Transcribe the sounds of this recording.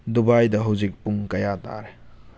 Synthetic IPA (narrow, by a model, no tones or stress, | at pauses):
dubajdɐɦɐwzik̚puŋkɐjata̰ɾe